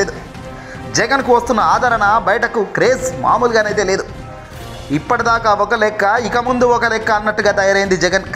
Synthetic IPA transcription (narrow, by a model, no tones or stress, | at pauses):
eːd̪u | d͡ʒɛɡɐnkuʋɐst̪unːɐaːd̪ʱɐɾɐɳɐbɐjʈɐkukɾe̞ːsma̰ːmuːlɡaːnejt̪̬eːle̞ːd̪u | ipːɐʈid̪aːkaːɔkɐlɛkːɐikɐmund̪uɔkɐlɛkːɐːnːɐʈːuɡaːt̪ɐjaːɾɐjind̪id͡ʒɛɡɐn